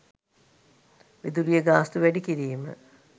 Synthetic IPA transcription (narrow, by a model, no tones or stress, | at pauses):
ʋed̪ulijəɡaːst̪uʋæɖikiɾiːmə̰